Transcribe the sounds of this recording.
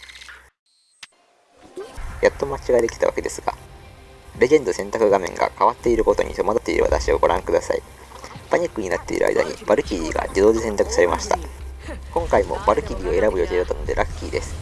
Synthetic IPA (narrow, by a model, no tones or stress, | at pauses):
jat̪ːo̞mat͡ɕiɡaed̪e̞kʲi̥t̪aβa̰ke̞d̪e̞sɨɡ̥a̰ | ɾe̞ɡẽ̞nd̪osẽ̞nt̪akɯ̟ɡamẽ̞̰ŋɡa̰kaβ̞at̪ːe̞iɾɯ̟ko̞t̪o̞ɲ̟ḭt̪o̞mad̪at̪ːe̞iɾɯ̟βa̰t̪aɕio̞ɡo̞ɾãŋkɯ̟d̪asa̰i | paɲ̟ikːɯ̟ɲ̟inat̪ːe̞ḭɾɯ̰a̰ḭd̪a̰ɲ̟ḭb̥aɾɯ̟kʲiɾʲiːɡa̰d͡ʑid̪o̞ːd̪e̞sẽ̞nt̪akɯ̟̥saɾe̞maɕi̥t̪akõ̞ŋkaimo̞̰baɾɯ̟kʲiɾʲiːo̞e̞ɾabɯ̟jot̪eːɾot̪ːano̞d̪eɾʔakʲːiːd̪e̞sɨ̥